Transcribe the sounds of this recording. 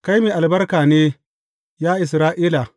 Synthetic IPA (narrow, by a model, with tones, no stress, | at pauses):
ka˦jmiː˨ʔa˨lbɐ˦rkaː˨neː˦ | jaː˦ʔɪ˨s̬ɾaː˦ʔiː˦la˨